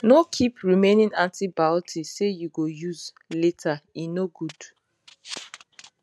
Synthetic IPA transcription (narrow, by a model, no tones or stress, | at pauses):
nokʰipɹimẽnĩnãntibatʰisejuɡojuz | letʰainoɡud